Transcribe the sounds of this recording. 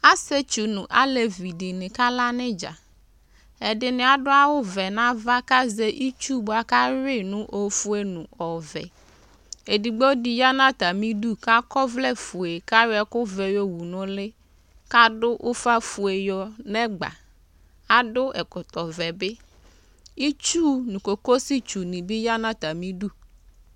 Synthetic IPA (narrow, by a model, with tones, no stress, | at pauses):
a˦se˦t͡ʃu˨nũ˨ʔa̰˦le˨vi˨dɪ˨nɪ̃˨ka˦la˦nɪ̃˦d͡ʒa̰˨ | ɛ˨dɪ˨nɪ̃˨a˨ɖʊ˦a˦wʊ˦vɛ˨nã˦va˦ka˦ze˦ʔi˦t͡ʃu˦ba˨ka˦ɾɪ˦nʊ̃˦ʔo˨fu˦e˦nũ˨ɔ˨vɛ̰˨ | e˨di˨ɡ͡bwo˦di˨ja˦nã˦t̪a˨mĩ˦du˦ka˦kɔ˦vlɛ˦fu˨e˨ka˦ɾɪ˦ɛ˨kʊ˦vɛ˨jɔ˦wu˨nʊ̃˦lɪ˦ | ka˦dʊ˦ʔʊ˦fa˦fu˨e˨jɔ˨nɛ̃˦ɡ͡ba̰˨ | a˨dʊ˦ʔɛ˨kʊ˨t̪ɔ˨vɛ˨bɪ˦ | i˦t͡ʃu˦nũ˨ko˨ko˦si˦t͡ʃu˨nĩ˨bi˦ja˦nã˦t̪a˨mĩ˦du˦˨